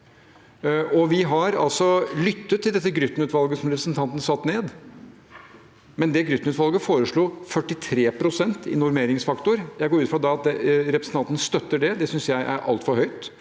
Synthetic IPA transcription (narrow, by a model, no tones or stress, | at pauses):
ɔʋɪɦɑɾɑ̰lsɔlʏt̪ːət̪ʰːɪld̪ɛt̪ːəɡɾʏt̪ːnʉːt̪ʋɑlɡəsɔmɾɛpɾəsnt̪ʰɑnt̪n̩sɑt̪ːneːd̪ | mɛnd̪ɛɡɾʏt̪ːnʉt̪ʋɑlɡəfoːɾəʂɭuːfœʈːɪt̪ʰɾeːpʰɾʊsɛnt̪ɪ̰nʊɾmeːɾɪŋsfɑkt̪ʊɾjæɪɡoːɾʉːt̪fɾɑd̪ɛɑt̪̚ɛɾɛpɾsn̩t̪ʰɑnt̪ənst̪œt̪ːəɖɛd̪ɛsʏnsjæɪʔæ̰ɾʔɑ̰lt̪fɔɾhœʏt̪